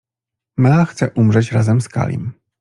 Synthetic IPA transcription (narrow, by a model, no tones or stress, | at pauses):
maxt̪sɛʔumʐɛt͡ɕɾazɛmska̰lʲḭm